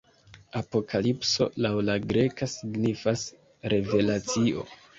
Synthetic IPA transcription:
apo̞kʰalipso̞̰lawlaɡɾe̞kasiɡnifas | ɾe̞ve̞lat͡sio̞̰

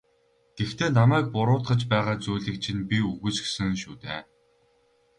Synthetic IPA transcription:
t̪ext̪ʰeːnamæːk̚pʊɾʊːt̪ɢə̆t͡ɕpæːʁaːt͡suːɮɘ̆k̚t͡ɕʰinpʲiuɣɘ̆t͡ɕxsɘ̆ŋʃuːt̪ḛː

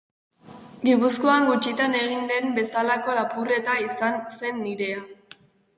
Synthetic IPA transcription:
d̪ipuskoaŋɡut͡ʃit̪ane̞ɣind̪e̞mbe̞salako̞lapure̞t̪aisanse̞nːiɾe̞a

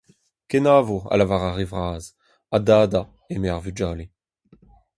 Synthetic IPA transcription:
kenaːvoa̰lavaʁaʁevʁaːz | adaːda | emeaʁvyd͡ʒaːle

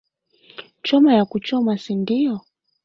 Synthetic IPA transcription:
t͡ʃɔmajakut͡ʃɔmasindijɔ

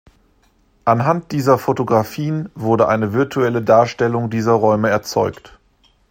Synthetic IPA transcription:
ʔanɦant̚d̥iːzɐfotoɡʁafiːənvʊɐdəʔaɪnəvɪɐtʰuɛlədaːɐʃtɛlʊŋdiːzɐʁɔʏməɛɐt͡sɔʏkt

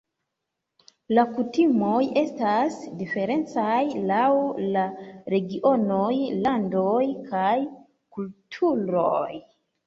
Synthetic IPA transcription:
lakutimo̞je̞stasdife̞ɾe̞nt͡sajlawlaɾe̞ɡiʔo̞no̞jlandojkʰaj | kultʰuɾoj

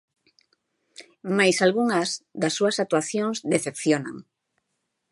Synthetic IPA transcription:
majsalɣuŋɐzd̪asːuasak̚t̪uaθjoŋzd̪eθepθjona̰ŋ

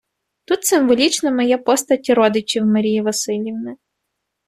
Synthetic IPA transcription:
t̪ut̪sɪmʋɔlʲit͡ʃnɐmɔjɛpɔst̪ɐtʲiɾɔd̪ɪt͡ʃʲiwmɐɾʲijiʋɐsɪlʲjiwnɪ

